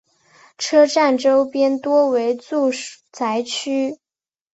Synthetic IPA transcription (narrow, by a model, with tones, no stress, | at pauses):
ʈ͡ʂʰɤ˥ʈ͡ʂa˥˩nʈ͡ʂo˥ʊpjɛ˥nt̪wɔ˥we˧˥ɪt͡su˥˩ | t͡sʰa˧˥ɪt͡ɕʰy˥